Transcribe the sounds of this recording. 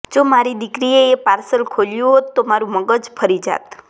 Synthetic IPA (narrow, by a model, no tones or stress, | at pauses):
d͡ʒomaɾid̪ɪkɾieepaɾsəlkʰoljũɦot̪ːomaɾũməɡəd͡ʒpʰəɾid͡ʒa̰t̪